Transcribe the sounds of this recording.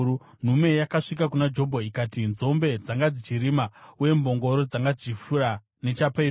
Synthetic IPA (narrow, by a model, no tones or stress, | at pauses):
u | n̤ume̞jakaʂik̬akunad͡ʒo̞bʱoikatinzo̞mbe̞d͡zaŋɡad͡zit͡ʃiɾimauje̞mbo̞ŋɡo̞ɾo̞d͡zaŋɡad͡zit͡ʃiʃuɾa | ne̞t͡ʃape